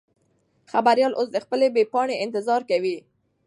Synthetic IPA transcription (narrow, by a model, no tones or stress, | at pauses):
xabaɾjɑlʔosd̪əxpəlebepɑɳeɪnt̪ɪzɑɾkawi